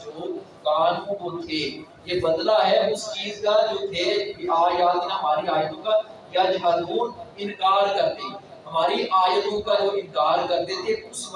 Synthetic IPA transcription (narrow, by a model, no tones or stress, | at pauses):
d͡ʒoːkaːnõkoːt̪ʰe | jeːbɐd̪laɦɛʊst͡ʃiːzkad͡ʒoːt̪ʰeaːjaːd̪naɦɐmaːɾiaːjət̪õka | jad͡ʒaːɾuːnɪ̃nkaːɾkɐɾt̪e | ɦɐmaːɾiʔaːjt̪õkad͡ʒoːɪ̃nkaːɾkɐɾt̪et̪ʰeʊs